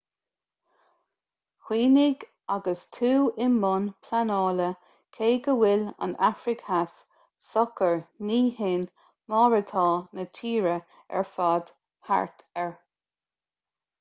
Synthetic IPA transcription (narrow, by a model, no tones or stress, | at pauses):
hwiːnɪɡ | aɡəstʰuːɪnːʊnpʰlanɑːlə | kʰeːɡəwɪla̰nafɾɪkʰhas | sɔkəɹniːhɪn | mɔːɹət̪ʰɑːnət͡ʃʰiːɹə | ɛ̰ɹfaːd̪̥ | ha̰ɹtʰɛɹ